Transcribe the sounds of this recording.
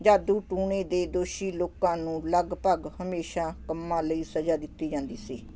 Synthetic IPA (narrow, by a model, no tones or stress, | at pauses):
d͡ʒaːd̪uːʈuːɳẽːd̪eːd̪oːʃiːloːkãːnũːləɡpəɡhəmeːʃaːkəmːãːləiːsəd͡ʒaːd̪ɪt̪ːiːd͡ʒãːnd̪iːsiː